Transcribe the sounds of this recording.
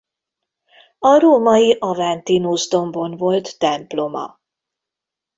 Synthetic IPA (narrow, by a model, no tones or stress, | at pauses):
ɒɾoːmɒjiʔɒvant̪inuzd̪o̞mbonvo̞lt̪ːɛmplo̞mɒ̰